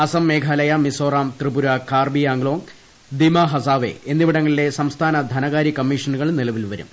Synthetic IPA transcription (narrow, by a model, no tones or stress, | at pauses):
ɐsɐmːeːkʰaːlɐjɐmisoːraːmt̪ribuɾɐkaːrbijaːŋɡlo̞ːŋ | d̪imɐɦɐsaːʋḛʔenːiʋiɽɐŋːɐɭile̞sɐmst̪ʰaːnɐd̪ʱɐnɐɣaːɾikɐmːiːʂɐnuɣɐɭnilɐʋilʋɐɾṵm